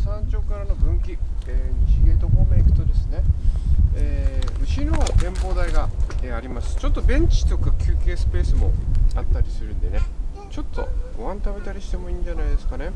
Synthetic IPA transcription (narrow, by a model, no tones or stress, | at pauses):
sãɲt͡ɕo̞ːkaɾano̞bɯ̟̃ŋkʲieːçiɡet̪o̞komeikɯ̟̥t̪o̞d̪e̞sɨ̥ne̞ | eːɯ̟ɕino̞ɡ̪ẽ̞mbo̞ːd̪aiɡaeːaɾʲimasɨ̥t͡ɕo̞t̪ːo̞bẽ̞ɲ̟t͡ɕi̥t̪okɯkʲʰɨːke̞ːsɨ̥pe̞ːsɨmo̞̰at̪ːaɾʲisɨɾɯ̟̃nd̪e̞ne̞ | t͡ɕo̞t̪ːo̞̰ɡ̥o̞βãnt̪abe̞t̪aɾʲiɕi̥t̪e̞mo̞ĩːɲd͡ʑanaid̪e̞sɨ̥kane̞